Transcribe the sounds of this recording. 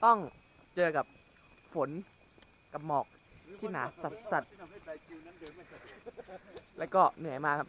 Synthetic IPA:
t̪ɔ˥˩ŋ | t͡ɕɤː˧ka˨˩p̚ | fo˩˦n | ka˧mːɔː˨˩k̚ | t̪ʰiː˥˩naː˩˦sa˨˩t̪̚sa˨˩t̪̚ | lɛː˦˥wkɔː˥˩nɯ˩˦jmaː˧kʰa˦˥˩p̚

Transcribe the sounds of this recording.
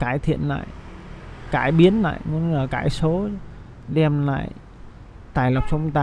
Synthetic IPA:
kaː˧˩jt̪ʰḭ˧˨ənla̰ː˧˨j | kaː˧˩jɓi˨˦ənla̰ː˧˨jmu˧˦ənŋəː˨˩kaː˧˩jso˨˦ | ɗɛ˧mla̰ː˧˨j | t̪aː˨˩jla˨˩wk͡p̚sə˧wŋ͡mt̪a˧

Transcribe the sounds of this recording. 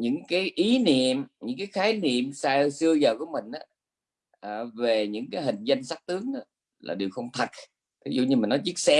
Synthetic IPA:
ɲɨ̰˧˥ŋkaː˨˦jʔi˨˦nḭ˧˨əmɲɨ̰˧˥ŋkaː˨˦jxaː˨˦jnḭ˧˨əmsaː˧sɨ˧əzəː˨˩ku˧˩əmï˨˩ŋ̟ʔaː˨˦ | ʔəː˨˩ve˨˩ɲɨ̰˧˥ŋkaː˨˦jɦï˨˩ŋ̟zə˧jŋ̟sa˦˥k̚t̪ɨ˨˦əŋʔaː˨˦ | la̰ː˨˩ɗi˨˩əwxə˧wŋ͡mt̪ʰə˨˩t̚ | t̪ʰi˨˦zṵ˧˨ɲɨ˧mä˨˩nːɔ˨˦t͡ɕi˦˥ək̚sɛ˧

